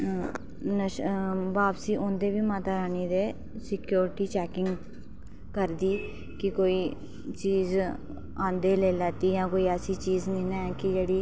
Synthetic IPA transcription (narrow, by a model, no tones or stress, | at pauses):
nəʃbaːpsiːʔʊnd̪eːʋiːmaːt̪aːɾaːniːd̪eː | sɪkjoːɾɪʈiːt͡ʃɛːkɪŋɡ | kəɾd̪iː | kɪkoːiː | t͡ʃiːz | ãːnd̪eːleːlɛːt̪iːjãːkoːiːəsiːt͡ʃiːznĩːnɛ̃ɛkɪd͡ʒeːɽiː